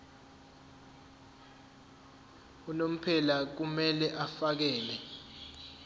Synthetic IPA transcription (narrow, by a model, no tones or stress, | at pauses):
unom̩pʰɛlak̬umɛlɛʔafak̬ɛːlɛ